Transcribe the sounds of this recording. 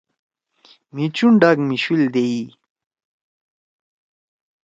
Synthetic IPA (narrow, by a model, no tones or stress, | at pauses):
mit͡ɕuɳɖaɡmiɕild̪ei